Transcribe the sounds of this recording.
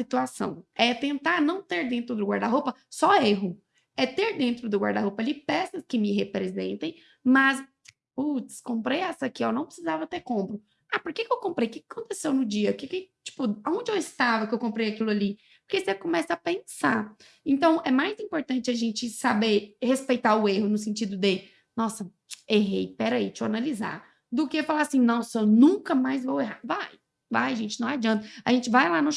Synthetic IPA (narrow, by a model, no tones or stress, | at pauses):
sit̪uasɐ̰̃w̃ɛt̪ẽnt̪aɾnɐ̃w̃t̪eɾd̪ẽnt̪ɾʊd̪ʊɡwaɾd̪aɦopɐsɔeɦʊ | ɛt̪eɾd̪ẽnt̪ɾʊd̪ʊɡwa̰ɾd̪aɦopɐalipɛsɐskɪmɪɦepɾezḛ̃nt̪ẽj̃ | mɐz | ut͡ʃskõmpɾejɛsɐkiewnɐ̃w̃pɾɪ̥sizavɐt̪eɾkõmpɾʊ | apoɾkekɪewkõmpɾejkɪkḁkõnt̪esewnʊd͡ʒiɐkɪkɪt͡ʃi̥pʊaõnd͡ʒɪewɪst̪avɐkɪewkõmpɾejakilʊali | pʊɾkesekõmɛsɐapẽsa | ẽt̪ɐ̃w̃ɛmajzĩmpoɾt̪ɐ̃t͡ʃɪɐʒẽnt͡ʃɪsabeɾhespejt̪aʊeɦʊnʊsẽnt͡ʃid̪ʊd̪ɪ | nɔsɐ | eɦejpɛɾait͡ʃɪanaliza̰ | d̪ʊkefalaasĩnɔ̃sɐnũkɐmajzvoweɦavaj | vajʒẽnt͡ʃɪnɐ̃w̃ad͡ʒiɐ̃nt̪ɐɐʒẽnt͡ʃɪvajlanɐ̃